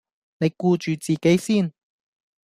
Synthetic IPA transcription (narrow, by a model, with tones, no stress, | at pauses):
ne˨˧jkuː˧t͡ʃyː˨t͡siː˨ke˨˥jsiː˥˩n